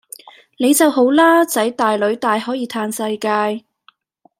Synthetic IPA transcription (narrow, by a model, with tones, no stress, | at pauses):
ne˨˧jt͡sɐ˨wɦo˨˥wlaː˥t͡sɐ˨˥jt̪aː˨˩jlɵ˨˧ɥt̪aː˨jhɔː˨˥jiː˨˧t̪ʰaː˧nsɐ˧jkaː˧j